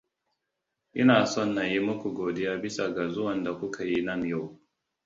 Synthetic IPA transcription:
ʔɪ˦naː˨sɔ˦˨nːa˨ji˦mʊ˦kʷu˨ɡoː˨dɪ˦jaː˦bɪ˦sa˨ɡa˨zʊ˦wɐ˨nda˨kʷʊ˦kʰa˨ji˦nɐ˦nja˦˨w

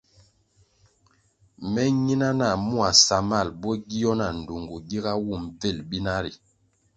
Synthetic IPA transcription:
mɛ˦ɲi˦na˦na˨mu˦a˨sa˨ma˦˨lbɔ˦ɡi˦jɔ˦na˨n̩˨du˨ŋɡu˨ɡi˦ɡa˦wu˦˨mve˦˨lbi˦na˦ɾi˨

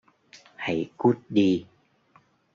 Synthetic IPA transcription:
ha˧˩jku˦˥t̚ɗi˧

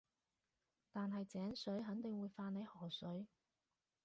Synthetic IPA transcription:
t̪aː˨nɦɐ˨jt͡sɛː˨˥ŋsɵ˨˥ɥɦɐ˨˥ŋt̪ɪ˨ŋwuː˨˧jfaː˧ne˨˧jhɔː˨˩sɵ˨˥ɥ

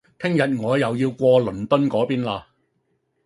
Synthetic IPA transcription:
t̪ʰɪ˥ŋjɐ˨t̚ŋɔː˨˧jɐ˨wjiː˧wkʷɔː˧lɵ˨˩nt̪ɵ˥nkɔː˨˥piː˥nlaː˧

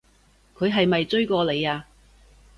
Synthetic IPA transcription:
kʰɵ˨˧ɥɦɐ˨jmɐ˨jt͡sɵ˥ɥkɔː˧le˨˧jaː˧

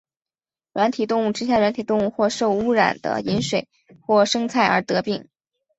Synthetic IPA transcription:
ɻwa˧˥nt̪ʰi˨˩t̪ʊ˥˧ŋu˥˩ʈ͡ʂɻ̩˥ɕ̬ja˥˩wa˧˥nt̪ʰi˨˩t̪ʊ˥˧ŋu˥˧xwɔ˥˧ʂo˥˩˧ʊu˥ɻa̰˨˩nd̪ə̰˦i˧˥nʂwe˨˩ɪ | xwɔ˥˩ʂɤ˥ŋt͡sʰa˥˩ɪə˞˧˥t̪ɤ˧˥pi˥˩ŋ

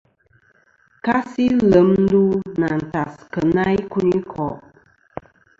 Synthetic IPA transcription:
ka˦si˦lə˨˦mn˦du˦na˨n̩˨ta˨skə˨na˦jku˦ni˦kʰɔ˨ʔ

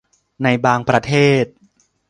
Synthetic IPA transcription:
na˧jbaː˧ŋpɾa˧t̪ʰeː˥˩t̪̚

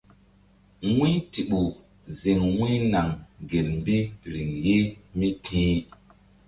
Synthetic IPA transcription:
ŋwi˦ti˨ɓu˨ | ze˨ŋwwi˦na˨ŋɡe˨lm̩˨bi˦ɾi˨ŋje˦mi˦tʰĩ˦

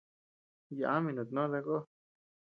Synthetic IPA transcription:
ja˨ʔa˦mĩ˧nõ˨t̪nõ˦ða˧ko˦

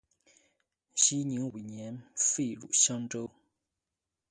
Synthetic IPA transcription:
ɕi˦ɲi˨˦ŋwi˨ɲjɛ˨˦nfe˥˨ɻṵ˨ʔɕɑ˦ŋʈ͡ʂo˦

